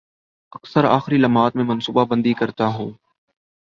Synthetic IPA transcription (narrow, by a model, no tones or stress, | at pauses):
əksəɾa̰ːxɾiːləmaːt̪mẽːmənsuːbaːbənd̪iːkəɾt̪aːɦoː